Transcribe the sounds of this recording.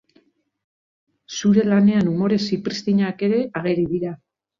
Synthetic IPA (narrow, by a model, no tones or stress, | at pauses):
suɾe̞lane̞anumo̞ɾe̞sipɾist̪iɲake̞ɾe̞ʔaɣ̞e̞ɾiðiɾa